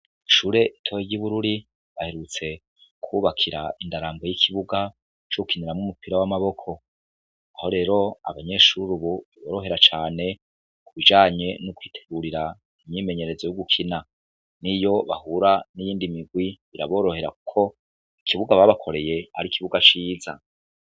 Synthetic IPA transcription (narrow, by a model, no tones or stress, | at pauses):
iʃuːɾe̞itʰoweɟiβuɾuɾi | βahe̞ɾut͡se̞ | kʰuβakʰiɾa̰indaɾaːmbejikʰiβuɡa | t͡ʃoukʰiniɾamŋumupʰiɾawamaβo̞kʰo̞ | aho̞ɾe̞ːɾo̞a̰βaɲe̞ːʃuɾuβuβaβo̞ːɾo̞ɦe̞ɾat͡ʃaːne̞ | kuβid͡ʒaːɲe̞nukwiːtʰe̞̥ɡuɾiɾa | imɲiːme̞ɲe̞ɾe̞zojuɡukʰina | nijo̞βa̰huɾanijiːndimiɡwiβiɾa̰βo̞ːɾohe̞ɾa̰ku̥kʰo̞ | ikʰiβuɡaβaβakʰo̞ɾe̞je̞ha̰ɾikiβuɡat͡ʃiːza̰